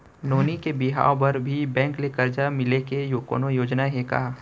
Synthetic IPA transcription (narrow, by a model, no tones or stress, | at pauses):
noːnikebɪɦa̰ːobɐɾbʱibɛ̃ːŋklekəɾd͡ʒamɪlekejoːko̰ːnojoːd͡ʒnaɦeka̰